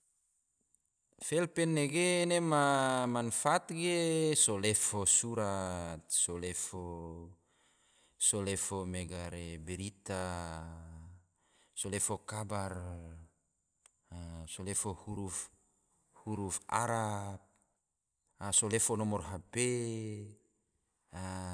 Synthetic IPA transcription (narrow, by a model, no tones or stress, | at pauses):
fɛlpɛnːeɡenemamanfat̪ɡesolefosuɾat̪̚solefo | solefomɛɡaɾebeɾit̪a | solefokabar | solefohuɾuf | huɾufa̰ɾap̚ | solefonɔmɔrɦape | a